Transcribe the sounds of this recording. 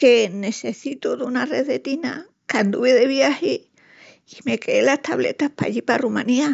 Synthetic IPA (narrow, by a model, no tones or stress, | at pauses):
kenesesit̪oðunareðet̪ina̰ | kand̪uβeðeβjahiː | mekeelast̪aβlḛt̪ahpa̰ʎiparumãnia